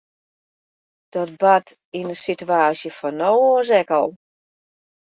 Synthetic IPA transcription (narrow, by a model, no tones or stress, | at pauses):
d̥ɔt̚bat | inəsityaːsjəfɔnowzɛkɔlˠ